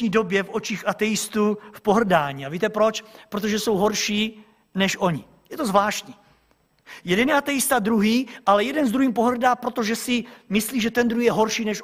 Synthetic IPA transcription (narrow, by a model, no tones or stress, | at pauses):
iːdo̞bjɛfʔo̞t͡ʃiːxʔat̪ɛjɪst̪ufpoɦr̩daːɲiːaviːt̪ɛpɾot͡ʃpɾot̪oʒɛso̞wɦo̞ɾʃiː | nɛʃʔo̞ɲɪ | jɛt̪o̞zvlaːʃt̪ɲiː | jɛdɛnjɛat̪ɛjɪst̪ad̪ɾuɦiːʔalɛjɛdɛnzd̪ɾuhiːmpo̞ɦr̩daːpɾot̪oʒɛsɪmɪsliːʒɛt̪ɛnd̪ɾuhiːjɛɦo̞ɾʃiːnɛʃ